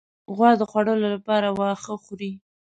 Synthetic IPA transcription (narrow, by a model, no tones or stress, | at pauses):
ɣwɑd̪əxwaɽəlolapɑɾawɑxəxuɾi